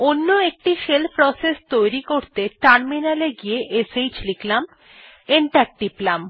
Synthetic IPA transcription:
onːoek̚ʈiʃelpɾɔsest̪ojɾikoɾt̪eʈaɾminaleɡijeʔesejt͡ɕliklam | eɳʈaɾk̚ʈiplam

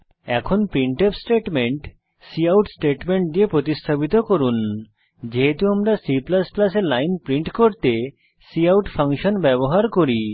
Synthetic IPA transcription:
ɛ̰kʰonpɾiɳʈepsʈeʈmeɳʈ | siawʈsʈeʈmeɳʈ̚d̪iepɾot̪ist̪ʰabit̪okoɾun | d͡ʑeɦet̪uamɾasiplasplaseɾlajnpɾiɳʈkoɾt̪e | siawʈfʰaŋʃonbɛboɦaɾkoɾi

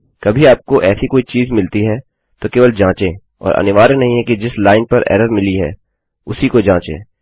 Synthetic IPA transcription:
kɐbʱiaːp̚koʔɛːsikoːit͡ʃiːzmɪlt̪iɦɛː | t̪okeːʋəld͡ʒãːt͡ʃẽː | ɔ̰ːɾɐ̰nɪʋaːɾenɐɦĩɦɛked͡ʒɪslaːɪnpɐɾɛ̰ːɾəɾmɪliɦɛ̰ː | ʊsikod͡ʒãːt͡ʃḛ̃ː

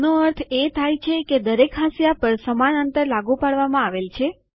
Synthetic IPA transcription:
noəɾt̪ʰet̪ʰajt͡ʃʰeked̪əɾekɦãsjapəɾsəmanənt̪əɾlaɡupaɽʋamãaʋelt͡ʃʰe

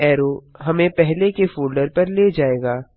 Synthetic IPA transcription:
ɛːɾoɦɐmẽpɛɦlekefoːlɖəɾpɐɾled͡ʒaːeːɡaː

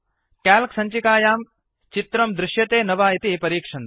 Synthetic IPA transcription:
kɛːlksɐɲt͡ʃikaːjaːm | t͡ʃit̪ɾɐmd̪ɾɪʃjɐt̪eːnɐʋaːit̪ipɐɾiːkʂɐn

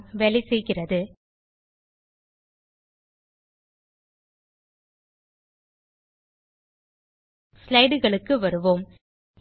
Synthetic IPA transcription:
ʋɛɭɪsɛjɣɪrɐðɯ | slɐɪɽɯɣɐɭɯkːɯʋɐɾɯʋoːm

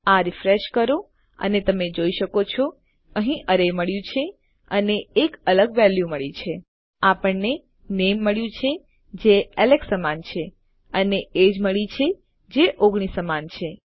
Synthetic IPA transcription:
aɾifɾeʃkəɾo | ə̰net̪əmed͡ʒoiʃəkot͡ʃʰo | əɦĩʔəɾejməɭjũt͡ʃʰe | əneːkələɡʋɛljuməɭit͡ʃʰe | apəɳne | nemːəɭjũt͡ʃʰe | d͡ʒeeleksəmant͡ʃʰe | əneed͡ʒməɭit͡ʃʰe | d͡ʒeʔoɡɳ̃isəmant͡ʃʰe

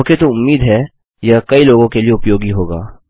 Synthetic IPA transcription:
ket̪oʊmːiːd̪ɦɛ | jakɐiloːɡõkelieʊpjoːɡiɦoːɡa̰ː

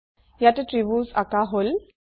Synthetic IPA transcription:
jat̪eʈɾibuːsa̰kaɦol

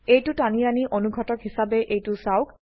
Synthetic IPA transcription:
ejtʊtanianiʔonuɡʱɔtɔkɦisabɛʔejtʊsawk

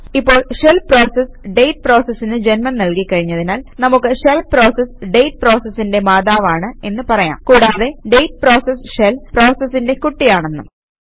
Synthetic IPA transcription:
ipːo̞ːɭʂelpro̞ːsesɖe̞jʈ̚pro̞ːsesːinɨd͡ʑenmɐnnɐlkikːɐɻiɲːɐðinaːlnɐmukːɨʂelpro̞ːsesɖejʈ̚pro̞ːsesinde̞maːðaːʋaːɳɨe̞nːɨpɐrɐja̰ːmkuːɽaːðe̞ɖejʈ̚pro̞ːsesʂelpro̞ːsesːinde̞kuʈːijaːɳe̞nːṵ

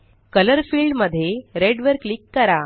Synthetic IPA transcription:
kələɾfiːlɖməd̪ʱːjeɾeɽʋəɾklikːəɾa

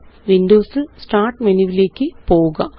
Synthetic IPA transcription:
ʋindoːsɨsʈaːrʈmeniʋile̞ːkʲːɨpo̞ːuɣɐ

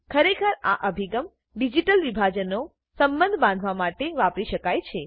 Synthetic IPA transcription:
kʰəɾekʰəɾa̰ʔəbʱiɡəm | ɖid͡ʒiʈəlʋibʱad͡ʒəno | səmbənd̪ʱbãnd̪ʱʋamaʈeʋapɾiʃəkajt͡ʃʰe

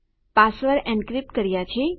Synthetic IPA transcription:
pasʋəɾɛ̃ɳɖkɾip̚ʈkəɾjat͡ʃʰe

